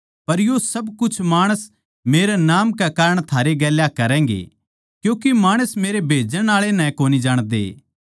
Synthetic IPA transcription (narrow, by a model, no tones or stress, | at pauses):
pɐɾjosɐbkʊt͡ʃʰmaːɽ̃əs | meːɾenaːmkekaːɾəɽ̃t̪ʰaːɾeɡɛːljakɐɾɛ̃ːŋɡḛ | kjũːkemaːɽ̃əsmeːɾebʱeːd͡ʒəñaːɭenɛ̃koːnid͡ʒaːɽ̃d̪ḛː